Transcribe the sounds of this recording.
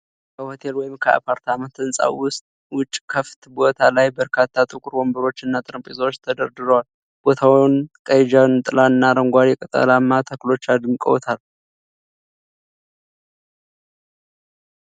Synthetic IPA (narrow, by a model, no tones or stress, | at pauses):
kʰəho̞t̪ʰe̞lwɔjɪmkʰəa̰pʰaɾt̪ʰamənt̪ɨnsʼa̰wʊst̪̚ʼ | wʊt͡ʃʼːkʰəft̪bo̞t̪ʰalajbəɾkʰat̪ʰːat̪ʼɨkʼʊɾwombɨɾo̞t͡ʃːɨnːat̪ʼɨɾɨmpʼeswot͡ʃːt̪ʰəd̪əɾd̪ɨɾəwal | b̥o̞t̪ʰawnkʼəjd͡ʒant̪ʼɨlaɨnːaɾəŋɡʷaɾkʼət̪ʼə̰lamːat̪ʰəklo̞t͡ʃːad̪ɨmkʼə̰wt̪ʰal